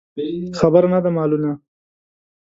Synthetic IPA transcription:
xabaɾnad̪amɑluna

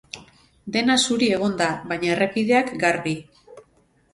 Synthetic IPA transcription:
d̪e̞nasuɾie̞ɣ̞o̞nd̪aβajɲae̞rekið̞e̞akɡaɾβi

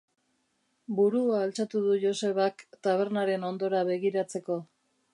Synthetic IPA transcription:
buɾuaːlt͡sat̪uð̞uʝo̞se̞β̞akt̪aβ̞e̞ɾnaɾe̞no̞nd̪o̞ɾaβe̞ɣiɾat͡se̞ko̞

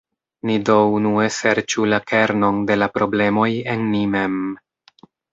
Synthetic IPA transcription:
nidownue̞se̞ɾt͡ʃulakʰe̞ɾno̞nde̞lapɾo̞ble̞mo̞je̞nːime̞m

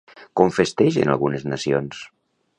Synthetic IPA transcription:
koɱfest̪ɛʒḛna̰lˠɣuneznəsions

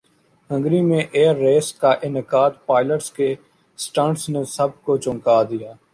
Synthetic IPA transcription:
ɦə̃ŋɡɾimẽːʔeːəɾːeːskaʔɪnɪkaːd̪paːɪləʈske | sʈãːɳɖsneːsəb̚kot͡ʃʊ̃ŋkaːd̪ɪjaː

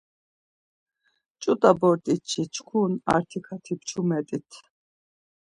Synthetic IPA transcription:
t͡ʃʼut̪ʼabɔɾt̪ʼit͡ʃʰit͡ʃʰkʰuna̰ɾt̪ʰikʰat̪ʰipt͡ʃʰumɛt̪ʼit̪ʰ

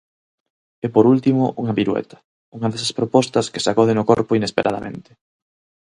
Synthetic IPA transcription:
epoɾult̪imʊʔuŋɐβiɾwḛt̪ɐ̥ | uŋɐðɛsɐspɾopɔst̪ɐske̥sakɔðenʊkɔɾpʊinespeɾʔaðɐ̰mḛ̃nt̪ɪ̥

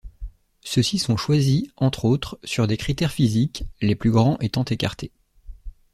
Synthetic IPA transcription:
səsisɔ̃ʃwaziɑ̃t̪χot̪χsyʁd̪ekχit̪ɛʁfizikleplyɡʁɑ̃ʔet̪ɑ̃t̪eka̰ʁt̪ʰe

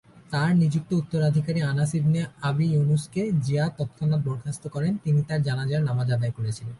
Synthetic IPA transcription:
t̪aɾnid͡ʑuk̚t̪out̪ːoɾad̪ʱikaɾianasib̪ʱneabijonusked͡ʑiat̪ɔt̪kʰanːat̪̚bɔɾkʰast̪okɔɾent̪init̪aɾd͡ʑanad͡ʑaaɾnamad͡ʑad̪ajkoɾet͡ɕʰilen

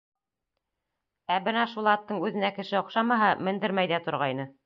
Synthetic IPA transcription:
æbɘnæʃulˠɑt̪ːɤɴʉðɘ̆nækɘ̆ʃɘŏqʃɑmɑɦɑmɘ̆nd̪ɘɾmæjðæt̪ŏɾʁɑjnɤ

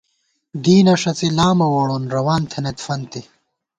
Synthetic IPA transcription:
d̪iːnɐʂɐt͡silaːmɐwoɽonɾɐwaːnt̪ʰɐnet̪fɐnt̪i

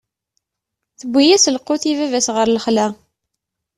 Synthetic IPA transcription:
θəbʷːijæsəlqːʊθivævæsʁəɾləχlæ

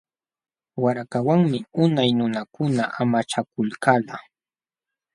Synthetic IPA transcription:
waɾakawaŋmɪʊnajnʊnakʊnaʔamat͡ʃakʊlkala

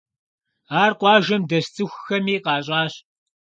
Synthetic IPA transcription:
aːrqʷɑːʒɐmdɐst͡sʼɨxʷxɐmiːqɑːɕʼɑːɕ

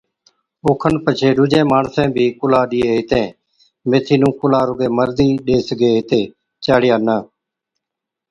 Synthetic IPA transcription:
oːkʰənpət͡ʃʰeːɗʊd͡ʒẽːmaːɳsɛ̃ːbʱiːkʊlaːɗɪeːɪt̪ẽː | meːt̪ʰiːnũːkʊlaːɾʊɡeːməɾd̪iːɗeːsɡeːɪt̪ẽː | t͡ʃaːɽɪjaːnaː

